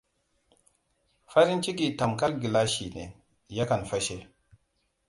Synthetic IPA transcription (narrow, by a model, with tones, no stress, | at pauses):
fa˦ɾi˦nt͡ʃi˦ɡi˨ta˨mka˦ɾɡi˨la˦ʃi˨nḛ˨ | ja˦ka˨nfa˦ʃe˦